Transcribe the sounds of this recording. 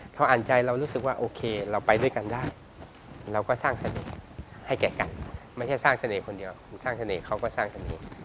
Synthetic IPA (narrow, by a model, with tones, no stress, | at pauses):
t̪ʰa˧˥˩ʔaː˨˩˦nt͡ɕa˧jɾa˧wɾuː˦˥sk̚waː˥˩ʔoː˧kʰeː˧ɾa˧wpa˧jdu˥˩jka˧ndaː˥˩j | ɾa˧wkɔː˥˩saː˥˩ŋsa˧nḛː˨˩ha˥˩jkɛː˨˩˦ka˧nma˥˩jt͡ɕʰa˥˩jsaː˥˩ŋsa˧neː˨˦kʰo˧ndi˧əwkʰːnsaː˥˩ŋsa˧neː˨˩˦kʰa˦˥˩wkɔː˥˩saː˥˩ŋsa˧nḛː˨˦